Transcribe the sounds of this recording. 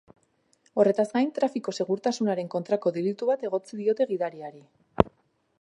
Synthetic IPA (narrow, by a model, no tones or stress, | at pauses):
o̞re̞t̪azɡajnt̪ɾafiko̞se̞ɣuɾt̪asunaɾe̞ŋko̞nt̪ɾako̞ðelit̪uβat̪e̞ɣo̞t͡siðio̞t̪e̞ɣiðaɾiaɾi